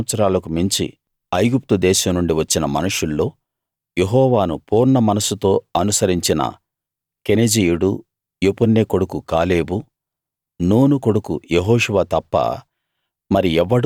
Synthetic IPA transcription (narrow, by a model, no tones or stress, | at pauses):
ɐt̪sɐɾaːlɐkumiɲt͡ʃḭ | ɐjɡup̚t̪ud̪ɛːʃɐmnuɳɖiʋɐt͡ʃːinɐmɐ̰nɐʂulːo̞ː | je̞ɦɔːʋaːnupuːɾnɐmɐnɐsut̪o̞ːɐnusɐɾiɲt͡ʃinɐ̰ | kened͡ʒijuɽu | jopunːeko̞ɽukukaːle̞ːbu | nuːnuko̞ɽukṵjeɦɔːʂuʋaːt̪ɐpːɐ̰ | mɐɾiɛʋːɐɽ